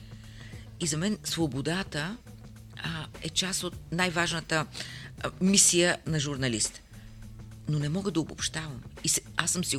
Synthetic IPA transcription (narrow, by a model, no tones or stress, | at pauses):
izɐmɛnsvobod̪at̪ə | ɛt͡ʃasot̪̚najvaʒnət̪ə | misijənɐʒʊɾnɐlist̪ | nonɛmɔɡəd̪ɐobopʃt̪avəmisɛasːəmsi